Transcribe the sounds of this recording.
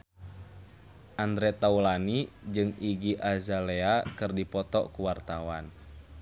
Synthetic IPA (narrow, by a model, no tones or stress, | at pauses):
ʔand̪ɾɛt̪aulanid͡ʒɨŋiɡiʔazalɛakɨrdipɔt̪ɔ̰kuwart̪awan